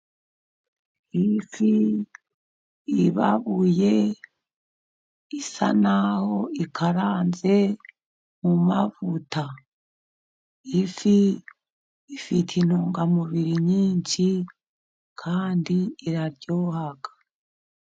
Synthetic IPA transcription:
ifi | βa̰βuje̞ | isa̰naho̞ikʰaɾaːnze̞ | mumavuta | ifi | fitʰinoːŋɡamuβiɾiɲiːɲʃi | kʰaːndiiɾaɾɟoːhaɡ̥ḁ

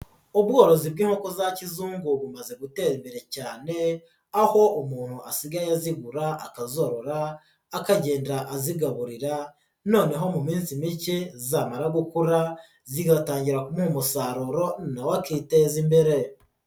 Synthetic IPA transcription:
obɡo̞ːɾo̞zibɡiːŋho̞ko̞zacizuːŋɡuβumaze̞ɡute̞imbeɾe̞caːne̞ | aho̞omuːn̥huʔasiɡajaziɡuɾaakazoɾoɾaː | kaɟe̞ːndaʔːziɡaβuɾiɾa | no̞ːne̞ɦo̞mumiːnsimicezaːmaɾaɡukuɾa | ziɡataːɲɟiɾakumuumusaɾuɾo̞nawakiːtezimbeɾe̞

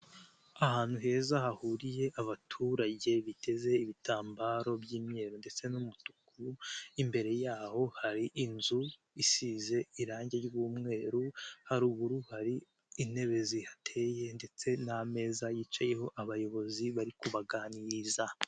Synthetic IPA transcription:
ahaːn̥huɦe̞ːzahahuɾije̞ʔaβatʰuːɾaɟe̞βite̞ze̞iβitaːmbaɾo̞bɟiːmɲe̞ːɾonde̞t͡se̞numutu̥kuimbe̞ɾe̞jaːho̞haɾiʔinzu | isiːze̞iɾaːɲɟe̞ɾɟuːmŋe̞ːɾuhaɾuːβuɾuhaɾi | ine̞βe̞zihatʰe̞je̞nde̞t͡se̞name̞ːzajiːt͡ʃaje̞ho̞ʔaβajo̞βo̞ziβaɾikuβaɡaniza

